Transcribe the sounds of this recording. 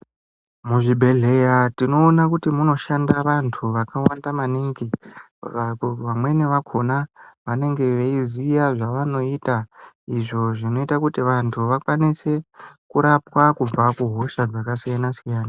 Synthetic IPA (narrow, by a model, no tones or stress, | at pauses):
muʐibʱe̞ɮe̞jatino̞ːnakutimuno̞ʃandaʋantʰuʋakawandamaniŋɡi | ʋamwe̞neʋakʰo̞naʋane̞ŋɡe̞ʋeizijaʐaʋano̞ita | iʐo̞ʐino̞itakutiʋantʰuʋakwanise̞kuɾapwakub͡vakuɦo̞ʃad͡zakasijanasijaːna